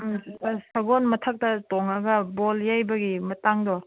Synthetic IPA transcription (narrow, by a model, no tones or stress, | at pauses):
sɐɡɔnmɐtʰɐk̚tɐtɔŋɐɡɐboljajbɐɡimɐtaŋdɔ